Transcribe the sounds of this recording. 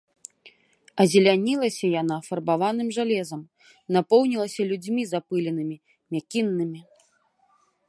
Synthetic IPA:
ɐzʲilʲanʲilˠɐsʲɐjanafɐrbavanɨmʐalʲɛzɐm | napɔwnʲilˠɐsʲɐlʲud͡zʲmʲizapɨlʲɛnɨmʲi | mʲakʲinːɨmʲi

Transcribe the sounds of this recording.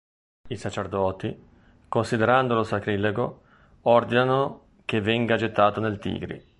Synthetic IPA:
isat͡ʃerd̪ɔːt̪i | konsid̪eɾand̪olosakɾileɡo | ɔrd̪inano | kevːɛŋɡad͡ʒet̪ːaːt̪onelt̪ḭːɡɾḭ

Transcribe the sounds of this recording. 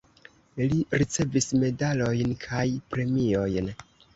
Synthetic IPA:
liɾit͡se̞visme̞dalo̞jnkʰajpɾe̞mio̞jn

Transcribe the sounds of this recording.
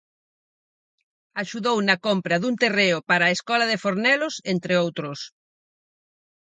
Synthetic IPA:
aʃuðownɐkompɾɐðunt̪ereʊpaɾaːeskɔlaðefoɾnɛlosent̪ɾeowt̪ɾʊs

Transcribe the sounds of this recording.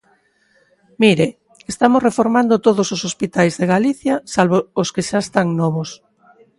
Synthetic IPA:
miɾe | est̪amosrefoɾmand̪ot̪oðososospit̪ajzðeɣaliθjasalβooskeʃaest̪aŋnɔβ̞os

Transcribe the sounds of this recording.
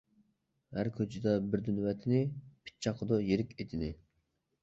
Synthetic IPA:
hæɾkʲʰøt͡ʃʰɪd̪ɛbɪɾd̪ynwɛt̪ʰɪnɪpʰɪ̥t̪̚t͡ʃʰːɑqʰəd̪ojeɾɪkʲet̪ʰɪnɪ

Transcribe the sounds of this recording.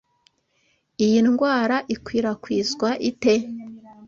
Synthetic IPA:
ijinɡwaːɾaʔikwiːɾakwiːzɡwaʔite̞

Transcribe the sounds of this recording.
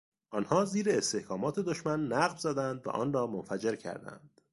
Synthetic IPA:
ʔɒːnhɒːziːɾeːst̪ehkʰɒːmɒːt̪ʰe̞d̪oʃmænːæɣvzæd̪ænd̪væ̰ʔɒ̰ːnrɒːmonfæd͡ʒe̞ɾcʰæ̰ɾd̪æ̰nd̪̥

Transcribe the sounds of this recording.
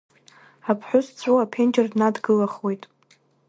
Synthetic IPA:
apʰħʷʊst͡sʷʰʼoapʰend͡ʒʼɪrdnadɡɨlaχwe̞jtʼ

